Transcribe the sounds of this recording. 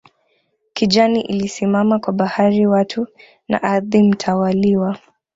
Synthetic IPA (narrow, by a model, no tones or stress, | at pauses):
kid͡ʒaniʔilisimamakwaɓahaɾiwatʰu | na̰ʔaɾðim̩tʰawaliwa